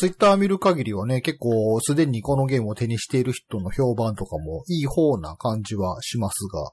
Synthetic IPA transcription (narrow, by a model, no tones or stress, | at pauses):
t͡sɨit̪ːaːmʲiɾɯ̟kaɡʲiɾʲiβane̞ke̞kːo̞ːsɨd̪ẽ̞ɲ̟iko̞no̞ɡe̞ːmot̪e̞ɲ̟iɕi̥t̪e̞iɾɯ̟çi̥t̪o̞noço̞ːbãnt̪o̞kamo̞iːho̞ːna̰kãɲ̟d͡ʑiβaɕimasɨɡa̰